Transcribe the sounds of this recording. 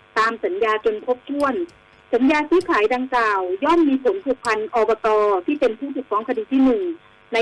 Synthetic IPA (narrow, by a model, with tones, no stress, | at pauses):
t̪aː˧msa˩˦njaː˧t͡ɕo˧npʰo˧˦˥p̚t̪ʰu˧˨ən | sa˨˦njaː˧sɯː˧˥˩kʰaː˩˦jda˧ŋkaː˨˩wjɔː˥˨mːiː˧pʰo˨˦npʰu˧˩k̚pʰa˧nʔɔː˧bɔː˧t̪ɔː˧t̪ʰiː˥˩pe˧npʰuː˥˩u˨˩k̚fɔː˧˥ŋkʰa˧diː˧˩t̪ʰiː˥˩nɯ˨˩ŋ | na˧˥